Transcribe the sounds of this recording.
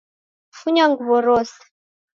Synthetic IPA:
fuɲaŋɡuβɔɾɔsɛ̥

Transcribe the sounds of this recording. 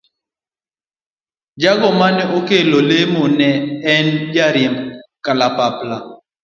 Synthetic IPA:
d͡ʒaɡɔmanɛʔokelolemɔnɛːnd͡ʒaɾjɛmkalapapla

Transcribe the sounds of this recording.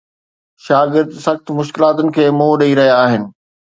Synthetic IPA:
ʃaːɡɪɾd̪sɐxt̪mʊʃkɪlaːt̪ʊnɪ̆kʰeːmoːɗɐiɾɐɦijaːɦɪnɪ̆

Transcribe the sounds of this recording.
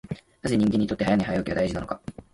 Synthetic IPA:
naze̞ɲ̟ĩŋɡeɲːit̪ot̪ːeajanaiɦajokʲiβad̪aiʑinano̞ka

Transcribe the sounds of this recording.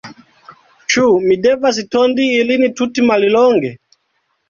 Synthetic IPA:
t͡ʃumidɛvas̬itɔndiːlinitutimalilɔŋɡɛ

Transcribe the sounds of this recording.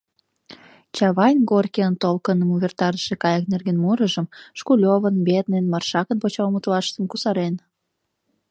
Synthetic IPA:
t͡ɕɑβɑjnɡorkeənt̪olkənəmuβʲert̪ɑɾəʃekɑjɑknerɣenmuɾəʒəmʃkulʲoβənbet̪nenmɑrʃɑkənpot͡ɕɑlmət̪lɑʃt̪əmkusɑɾen

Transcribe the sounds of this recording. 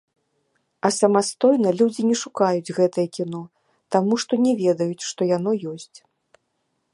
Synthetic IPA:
ɐsɐmast̪ɔjnɐlʲud͡zʲinʲɛʂukajud͡zʲɣɛt̪ɐjɐkʲinɔ | t̪amuʂt̪ɔnʲɛvʲɛd̪ɐjut͡sʲʂt̪ɔjan̪ɔjɔsʲt͡sʲ

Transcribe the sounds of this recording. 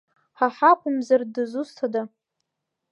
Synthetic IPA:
ħaħakʷʰʼʊmzardɨzustʰada

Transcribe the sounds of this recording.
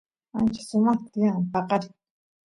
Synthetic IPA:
ant͡ʃḁsʊmɑχt̪at̪jampɑqɑɾɪ

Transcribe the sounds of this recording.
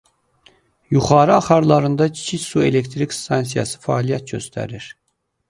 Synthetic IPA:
juχɑːɾɯɑχɑɾlˠɑɾɯnd̪ɑcʰi̥t͡ʃʰiçsuele̞kt̪ɾikst̪ʰɑnsijɑ̰sɯ̥fæːlijæt̪̚ɟø̞̰st̪ʰæ̰ɾiɾ̥

